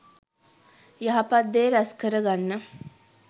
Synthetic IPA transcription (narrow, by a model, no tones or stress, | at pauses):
jaɦapad̪ːeːɾaskəɾəɡanːə